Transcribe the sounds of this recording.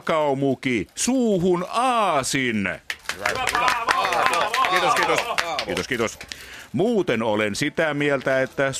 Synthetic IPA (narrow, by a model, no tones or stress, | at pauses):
kɑumukisuːhunɑːsin | kiːt̪oskiːt̪oskiːt̪oskiːt̪osmuːt̪enolensit̪æmielt̪æet̪ːæ